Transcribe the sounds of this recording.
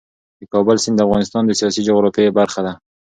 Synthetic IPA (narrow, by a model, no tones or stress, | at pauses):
d̪əkɑbəlsɪnd̪əafɣɑnɪst̪ɑnd̪əsijɑsid͡ʒoɣɾɑfebaɾxad̪a